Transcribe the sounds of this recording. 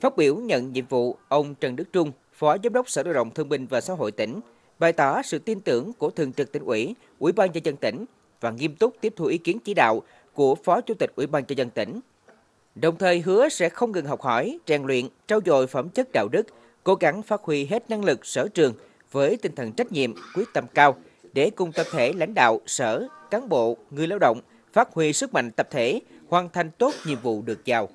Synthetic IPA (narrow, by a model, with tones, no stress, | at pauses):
faː˦˥t̚ɓi˧˩əwɲə̰˧˨nɲḭ˧˨mvṵ˧˨ʔə˧wŋ͡mt͡ɕə˨˩nɗɨ˦˥k̚t͡ɕʊ˧ŋ͡m | fɔ˨˦zaː˨˦mɗə˦˥wk͡p̚səː˧˩ɗə̰ː˧˨˩ɗə̰˧˨wŋ͡mt̪ʰɨ˧əŋɓï˧˩ŋ̟vaː˨˩sa̰ː˧˥ɦo̰˧˨jt̪ï˧˩ŋ̟ | ɓa˨˩jt̪ɔː˧˩sɨ̰˧˨t̪i˧nt̪ɨ˧˩əŋku˧˩ət̪ʰɨ˨əŋt͡ɕɨ˨˩k̚t̪ï˧˩˦ŋ̟ʔwḭ˧˩ | ʔwi˧˩ɓaː˧nzə˧zə˧nt̪ï˧˩ŋ̟ | vaː˨˩ŋi˧əmt̪ʊ˦˥k͡p̚t̪i˦˥əp̚t̪ʰu˧ʔi˨˦ki˨˦ənt͡ɕi˧˦ɗa̰ː˧˨w | ku˧˩əfɔ˨˦t͡ɕu˧˦t̪ï˨˩k̟̚ʔi˧˩˦ɓaː˧nt͡ɕɔ˧zə˧nt̪ï˧˩ŋ̟ | ɗə˨˩wŋ͡mt̪ʰəː˨˩jɦɨ˨˦əsɛ̰˧˥xə˧wŋ͡mŋɨ˨˩ŋɦɔ˨˩k͡p̚hɔ˧˩jt͡ɕɛ˨˩ŋlwḭ˧˨ənt͡ɕaː˧wzo̰˧˨jfə˧˩mt͡ɕə˦˥t̚ɗa̰ː˧˨wɗɨ˦˥k̚ | ko˨˦ɣa˨˦ŋfaː˦˥t̚hwi˧ɦe˦˥t̚na˧ŋlɨ˨˩k̚səː˧˩t͡ɕɨ˨˩əŋ | vəː˨˦jt̪ï˧ŋ̟t̪ʰə̰˨˩nt͡ɕa˦˥k̟̚ɲḭ˧˨əmkwi˦˥ək̚t̪ə˧mkaː˧w | ɗe˧˩kʊ˨˩ŋ͡mt̪ə˨˩p̚t̪ʰe˧˩la̰˧˥jŋ̟ɗa̰ː˧˨wsəː˧˩kaː˨˦nɓo̰˧˨ŋɨ˧əjlaː˧wɗə̰˧˨wŋ͡m | faː˦˥t̚hwi˧sɨ˦˥k̚ma̰˧˨jŋ̟t̪ə˨˩p̚t̪ʰe˧˩hwaː˨˩nt̪ʰa˧jŋ̟t̪o˦˥t̚ɲḭ˧˨əmvṵ˧˨ɗɨ˨˩ək̚zaː˨˩w